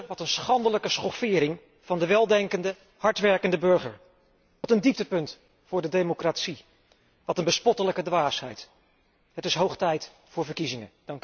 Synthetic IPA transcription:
ʋɑtənsχɑndələkəsχɔfɪːɾɪŋ | v̥ɑndəʋɛlˠdɛŋkəndə | hɑɹtʋɛɹkəndəbɵɹχə̰ɹ | ʋɑtəndip̚təpɵnt | fʊːɹdədejmokratsi | ʋɑtənbəspɔtələkədʋaːsɦɛ̰jt | ɦətɪsɦowχtɛjt | fʊːɹvəɹkizɪŋəd̥ɑŋk

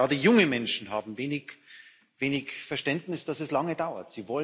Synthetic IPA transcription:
aːdəjʊŋəmɛnʃn̩ɦaːbm̩veːnɪk | veːnɪçfɛɐʃtɛntnɪsd̥asɛslaŋədaʊɐ̰tz̥iːvɔl

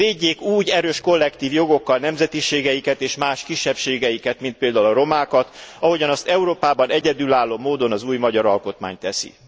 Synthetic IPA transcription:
veːɟːeːkuːɟɛɾøːʃko̞lːɛkt̪iːvjo̞ɡo̞kːɒlnɛmzɛt̪iʃeːɡɛjikɛt̪eːʃmaːʃkiʃːɛpʃeːɡɛjikɛt̪mint̪̚peːld̪aːulɒɾo̞maːkɒt̪ɒɦo̞ɟɒnɒst̪ɛuɾoːpaːbɒnɛɟɛd̪yːlaːlːoːmoːd̪o̞nɒzuːjmɒɟɒɾɒlko̞t̪ma̰ːɲt̪ɛsḭ

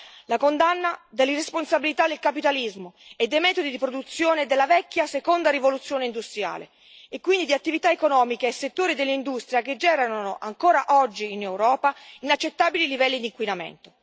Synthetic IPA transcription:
lakond̪anːad̪elːiresponsabilit̪ad̪ːelkapit̪alizmoed̪ːejmɛːt̪od̪id̪ipɾod̪ut̪sːjoːned̪elːavɛkːjasekond̪aɾivolut̪sːjoːneind̪ust̪ɾja̰ːlḛ | ekːwind̪id̪iat̪ːivit̪aekonɔːmikeːsːet̪ːoːɾid̪elːind̪ust̪ɾjaked͡ʒːɛːɾanonoʔaŋkoːɾaʔɔd͡ʒːiːnewɾɔːpainat͡ʃːet̪ːaːbililivɛlːid̪iŋkwinamḛnt̪o

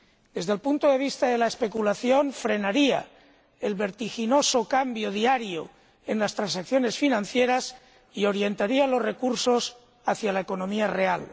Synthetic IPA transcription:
d̪̥e̞zðe̞lpunt̪oðe̞β̞ist̪aðe̞laespe̞kulaθjo̞nfɾe̞naɾia̰ | elβe̞ɾt̪ixino̞sokambjoðiaɾjo | enlast̪ɾansakθjo̞ne̞sfinãnθjeɾas | io̞ɾje̞nt̪aɾialo̞zre̞kuɾso̞s | aθjalaeko̞nõ̞miare̞a̰l

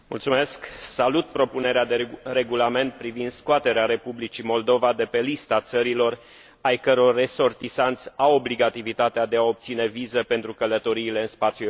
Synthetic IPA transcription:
mṵlt̪sume̞sksalut̪̚pɾo̞pune̞ɾead̪eɾe̞ɡulame̞nt̪̚pɾivind̪skoat̪e̞ɾeaɾe̞publit͡ʃimo̞ld̪o̞vad̪e̞pe̞list̪at̪səɾilo̞r | ajkəɾo̞rːe̞so̞rt̪isant̪sʲawo̞bliɡat̪ivit̪at̪ead̪e̞ao̞p̚t̪sine̞vizəpe̞nt̪ɾukələt̪o̞ɾiːle̞ɨnspat̪sju

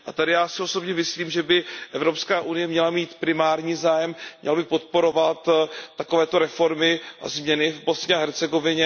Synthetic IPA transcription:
ʔat̪adɪjaːsɪo̞so̞bɲɛmɪsliːmʒɛbɪʔɛvɾo̞pskaːʔunɪjɛmɲɛlamiːt̪pɾɪmaːɾɲiːzaːjɛmmɲɛ̰lbɪpo̞t̪̚po̞ɾo̞vat̪ːakovɛːt̪o̞ɾɛfo̞ɾmɪa̰zmɲɛnɪvbo̞sɲɛaɦɛɾt͡sɛɡo̞vɪɲɛ

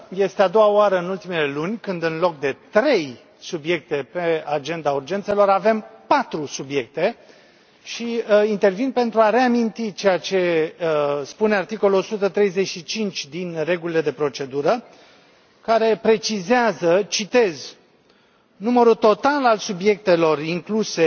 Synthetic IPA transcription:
je̞st̪ead̪o̞waoaɾəɨnult̪ime̞le̞lunʲkɨnd̪ɨnlo̞k̚d̪e̞t̪ɾe̞j | subje̞k̚t̪e̞pe̞ad͡ʒe̞nd̪aurd͡ʒe̞nt̪selo̞ɾave̞mpat̪ɾusubje̞k̚t̪e̞ | ʃiint̪e̞rvinpe̞nt̪ɾuaɾe̞amint̪it͡ʃe̞jat͡ʃe̞ | spune̞art̪iko̞luo̞sut̪ət̪ɾe̞jze̞ʃit͡ʃint͡ʃʲd̪inre̞ɡulile̞d̪e̞pɾo̞t͡ʃe̞d̪uɾə | kaɾe̞pɾe̞t͡ʃizeazət͡ʃit̪e̞z | numəɾut̪o̞t̪alalsubje̞k̚t̪e̞lo̞riŋkluse̞

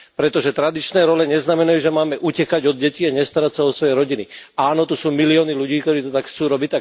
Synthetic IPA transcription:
pɾɛt̪ɔʒɛt̪ɾad̪it͡ʃnɛːɾɔlɛɲɛznamɛnajuːʒɛmaːmɛʔucɛkaɟɔd̪̚ɟɛciaɲɛst̪aɾacsaɔsʋɔjɛɾɔɟiniaːnɔt̪usuːmiliɔːniluɟiːkt̪ɔɾiːt̪ɔt̪akxt͡suːɾɔbict̪a

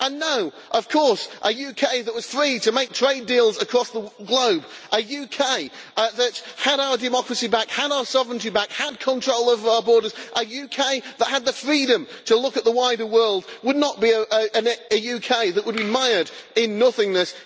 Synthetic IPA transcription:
ə̃nːoʊ | ʔʌv̥kʰɔɹsʔəjʉkʰeɪðət̚wʌz̥fɹiɾɨmeɪk̚tʰɹ̥eɪdilˠzəkʰɹ̥ɔsðəɡloʊbʔəjʉkʰeɪðɨt̚həɾaʊə˞dɨmɑkɹɨsibækhəɾaʊə˞sɑvəɹə̃ntibækhəd̚kʰə̃ntʰɹ̥oʊlˠoʊvə˞aʊə˞bɔɹɾəz̥ʔəjʉkʰeɪðət̚ɦəd̪̚ðəfɹiɾɨ̃mtʰəlʊkɨt̪̚ðəwaɪɾə˞wɜ˞lˠd̚wədⁿnət̚b̥iɨʔəʔɨ̃nɨjʉkʰeɪðəʔ̚wəd̚bimaɪə˞ɾɪ̃nːʌθɪ̃ŋnɨs

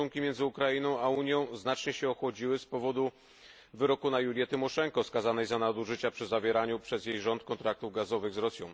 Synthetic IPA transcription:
uŋkʲimʲɛnd̪zɘukɾainɔ̃w̃auɲjɔ̃w̃znat͡ʂɲɛɕɛɔxwɔd͡ʑiwɘspɔvɔd̪u | vɘɾɔkunajulʲjɛt̪ɘmɔʂɛŋkɔskazanɛjzanad̪uʐɘt͡ɕapʂɘzavʲjɛɾaɲupʂɛzjejʐɔnt̪kɔnt̪ɾak̚t̪uvɡazɔvɘɣzɾɔsʲjɔ̃w̃

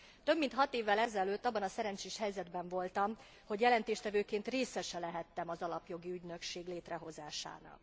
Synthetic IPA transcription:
t̪ø̞bmint̪hɒt̪eːvːɛlɛzɛløːt̪ːɒbːɒnɒsɛɾɛnt͡ʃeːʃhɛjzɛd̪bɛɱvo̞lt̪ɒm | ho̞ɟjɛlɛnt̪eːʃt̪ɛvøːkeːnt̪reːsɛʃɛlɛɦɛt̪ːɛmɒzɒlɒpjo̞ɡiyɟnø̞kʃeːɡleːt̪rɛɦo̞zaːʃa̰ːnɒ̰k

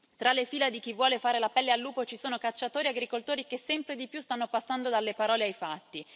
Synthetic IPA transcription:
t̪ɾalːefiːlad̪ik̟ivːwɔːlefaːɾelapɛlːealːuːpot͡ʃisoːnokat͡ʃːat̪oːɾiaɡɾikolt̪oːɾikesːɛmpɾed̪ipjust̪anːopasːand̪od̪alːepaɾɔːleajfat̪ːi

